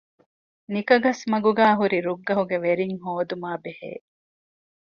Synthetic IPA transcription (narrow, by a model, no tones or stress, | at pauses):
nikɐɡɐsmɐɡuɡaːɦuɾiɾuɡːɐɦuɡeʋeɾiŋɦoːd̪umaːbehḛː